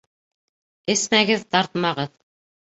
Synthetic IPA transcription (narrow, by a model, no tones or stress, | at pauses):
ɘ̆smæɡɘðt̪ɑɾt̪mɑʁɤð